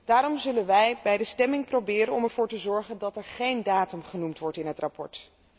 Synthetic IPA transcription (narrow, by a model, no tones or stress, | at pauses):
d̥aːɾɔmzɵlənʋɛjbɛjdəstɛmɪŋprowbɪːɾənɔmɛɹv̥ʊːɹtəzɔɹχəndɑtɛɹχejndaːtəmχənumtʋɔɹtɪnɦətrapɔ̰ɹt